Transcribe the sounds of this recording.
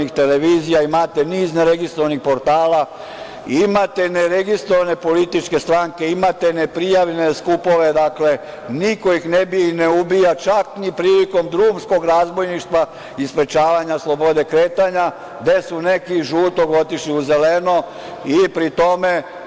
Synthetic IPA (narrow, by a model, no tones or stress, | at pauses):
nixt̪e̞leʋiːzijaimat̪eniːzneɾeɡist̪ɾoanixpo̞ɾt̪aːla | imat̪eneɾeɡist̪ɾoʋane̞po̞lit̪it͡ʃke̞st̪ɾaŋke̞imat̪enepɾijaʋeneskupo̞ʋe̞d̪akle̞ | niko̞jixnebiineubijat͡ʃaknipɾiːliko̞md̪ɾuːmsko̞ɡɾazbo̞jniʃt̪ʋa | ispɾe̞t͡ʃaːʋaɲaslˠo̞bo̞d̪e̞kɾeːt̪aɲa | d̪esune̞kiʒuːt̪oɡo̞t̪iʃliuze̞leno | ipɾit̪o̞me